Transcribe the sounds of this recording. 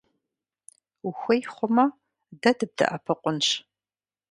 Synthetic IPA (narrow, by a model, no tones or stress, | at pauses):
uxʷɐjχʷʊmɐ | dɐdɨb̚dɐ̰ʔɐpʰɐqʷʊnɕ